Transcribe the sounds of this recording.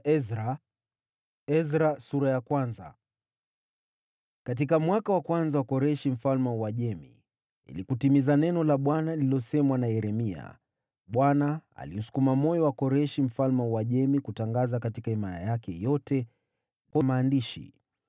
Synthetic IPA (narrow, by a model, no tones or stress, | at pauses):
ɛzɾa | ɛzɾasuɾajakwanza̰ | kat̬ikamwakawakwanzawakɔɾɛʃim̩falmɛuwaʄɛmḭ | ḭlikutimizanɛnɔlaɓwanalilɔsɛmwanajɛɾɛmia̰ | ɓwanaa̰liusu̥kumamɔjɔwakɔɾɛʃim̩falmɛwaʄɛmikutaŋɡazakatikaimaɾa̰jakɛjɔtɛ | kɔmaːndiʃḭ